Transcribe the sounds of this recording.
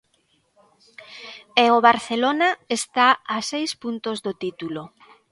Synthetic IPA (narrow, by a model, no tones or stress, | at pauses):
eoβaɾθelonaest̪aasejspunt̪ozðot̪it̪ulo